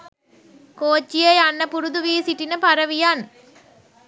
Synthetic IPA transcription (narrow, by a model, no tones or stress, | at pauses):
koːt͡ʃːijɐɪɐnːɐpʊɾɯðɯʋiːsiʈːinɐpɐɾɐʋijaːn